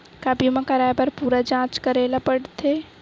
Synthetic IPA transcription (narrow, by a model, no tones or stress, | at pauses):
kaːbimãkɐɾaːjbɐɾpuːɾad͡ʒãːt͡ʃkɐɾeːlapəɽt̪ʰeː